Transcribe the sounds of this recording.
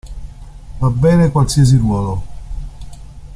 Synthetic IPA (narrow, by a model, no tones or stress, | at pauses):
vabːɛːnekwalsias̬iɾwɔːlo